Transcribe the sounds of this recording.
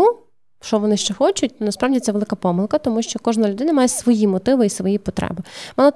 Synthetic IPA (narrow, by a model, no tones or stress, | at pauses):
u | ʃt͡ʃɔʋɔnɪʃt͡ʃɛxɔt͡ʃʊt̚ʲnɐspɾɑʋdʲit̪ɛʋelˠɪkɐpɔmɪlˠkɐt̪ɔmuʃt͡ʃɔkɔʒnɐlʲʊd̪ɪnɐmɑjesʋɔjimɔt̪ɪʋɪisʋɔjipɔt̪ɾɛ̰bɪmɑlˠɔ